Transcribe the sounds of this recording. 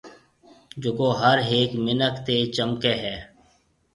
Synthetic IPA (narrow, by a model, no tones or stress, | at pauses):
d͡ʒokoːɦəɾɦeːkmɪnəkt̪eːt͡ʃəmkeɦɛː